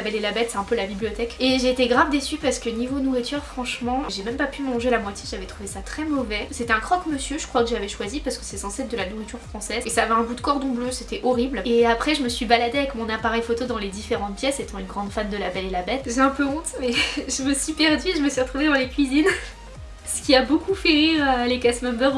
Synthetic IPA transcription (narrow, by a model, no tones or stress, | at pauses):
abɛlelabɛt̪sɛɛ̃pølabiblijɔt̪ɛkeʒeːt̪eɡʁavd̪esypaʁsə̥kənivonuʁit̪ʰyʁfχɑ̃ʃmɑ̃ʒemɛmpapymɑ̃ʒelamwat̪jeʒavɛt̪χuvesat̪χɛmɔvɛset̪ɛɛ̃kχɔkməsjøʒə̥kχwakəʒavɛʃwazipaʁsəkə̥sɛsɑ̃sɛd̪əlanuʁit̪yʁfχɑ̃sɛzesaːvɛɛ̃ɡud̪əkɔʁd̪ɔ̃bløset̪ɛʔɔʁibleapχɛʒəməsɥibalad̪eavɛkmɔ̃napaʁɛjfot̪od̪ɑ̃led̪ifeʁɑ̃t̪̚pjɛset̪ɑ̃ynɡʁɑ̃d̪fand̪əlabɛlelabɛt̪ʒeɛ̃pøɔ̃t̪mɛʒəməsɥipɛʁd̪ɥieʒəməsɥiʁət̪χuved̪ɑ̃lekʲɥizin | sə̥kʲiabokʰufɛʁiʁəlekasmɛ̃bœʁ